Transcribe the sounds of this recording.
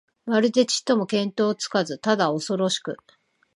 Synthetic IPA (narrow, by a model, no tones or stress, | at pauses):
βaɾɯd̪e̞t͡ɕi̥t̪ːo̞mo̞kẽ̞nt̪o̞ːt͡sɨ̥kazɨt̪ad̪ao̞so̞ɾo̞ɕi̥kɯ̟